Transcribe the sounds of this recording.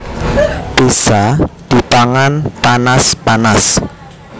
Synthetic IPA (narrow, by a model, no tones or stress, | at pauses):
pesad̪̥i̤t̪aŋanpanaspanas